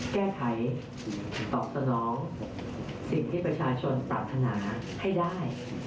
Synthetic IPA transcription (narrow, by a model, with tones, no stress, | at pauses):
kɛː˥˩kʰa˩˦j | t̪ɔː˨˩p̚sa˧nɔː˩˦˥ŋ | si˨˩ŋt̪ʰiː˥˩pɾa˧t͡ɕʰaː˧t͡ɕʰo˧npɾa̰ː˨˩t̪ʰːa˧naː˩˦ | ha˥˩jdaː˥˩j